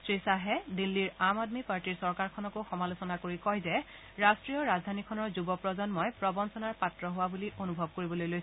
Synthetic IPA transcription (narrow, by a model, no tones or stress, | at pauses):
sɹisaɦɛdilːiɹamadmipaɹʈiɹsɔɹkaɹkʰɔnɔkoxɔmalosɔnakoɹikɔjzɛ | ɹastɹijɔɹazdʱanikʰɔnɔɹzubɔpɹɔzɔnmɔjpɹɔbɔnsɔnaɹpatɹɔɦʊwabuliʔonubʱɔb̚koɹibɔlojlojs